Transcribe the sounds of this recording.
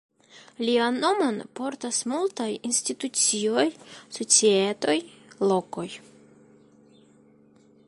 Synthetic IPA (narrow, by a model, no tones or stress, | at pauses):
lianːo̞mo̞npo̞ɾtasmultajinstitut͡sio̞jso̞t͡sie̞to̞j | lo̞ko̞j